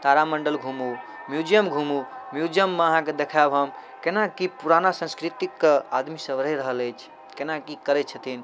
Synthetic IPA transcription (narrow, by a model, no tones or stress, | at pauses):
t̪aɾaməɳɖəlɡʱumu | mjud͡ʒijəmɡʱumumjud͡ʒijəmːeəɦãked̪ekʰabɦəmkenakipuɾanasə̃nskɾit̪ikːad̪misəʋɾjɾəɦələjt͡ʃʰ | kenakikəɾɛt̪̚t͡ʃʰət̪ʰin